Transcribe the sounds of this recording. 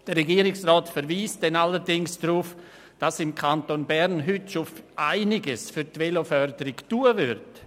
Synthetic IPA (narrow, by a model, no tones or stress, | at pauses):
d̥əːɛɡiːɾɪksrɔːtfəɾviːsd̥ɛnaləɾdɪŋsd̥ɾuːf | d̥asɪmkʰantonbɛɾnɦʏtʃofʔaɪnɪɡəsfyɾtvɛlofœɾdəɾɪktuːəvʏɾt